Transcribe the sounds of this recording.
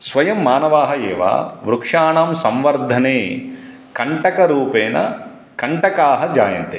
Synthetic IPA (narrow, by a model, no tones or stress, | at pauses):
sʋɐjɐmːaːnɐʋaːɦɐɛːʋa̰ːʋɾukʂaːɳaːmsɐmʋɐɾd̪ʱɐneː | kɐɳʈɐkɐɾuːpɛːnɐ̰ | kɐɳʈɐkaːɦɐd͡ʒaːjɐ̰nt̪e